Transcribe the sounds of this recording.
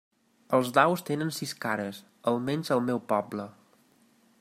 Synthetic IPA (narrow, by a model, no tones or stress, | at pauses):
əlˠzd̪awst̪enənsiskaɾəs | əlˠmɛnzəlˠmɛwpɔblə